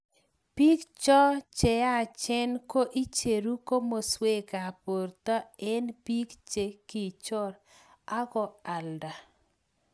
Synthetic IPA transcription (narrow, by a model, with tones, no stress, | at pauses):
pi˦kt͡ʃɔ˦t͡ʃɛ˨a˦˨t͡ʃɛ˦nko˦ʔi˦t͡ʃe˨ɾu˦ko˦mo˨swe˦ka˨po˨rt̪a˦ɛ˦npi˦kt͡ʃe˨ki˨t͡ʃɔ˦ɾ | a˦ɡɔ˨a˨lda˨